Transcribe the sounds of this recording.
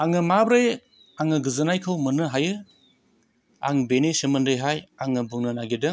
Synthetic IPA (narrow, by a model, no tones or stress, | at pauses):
aŋɯmabɾej | aŋɯɡɯzɯnajkʰɯwmɯnɯɦajɯ | a̰ŋbenisimɯndɾɯjɦajaŋɯbɯŋnɯnaɡidɯŋ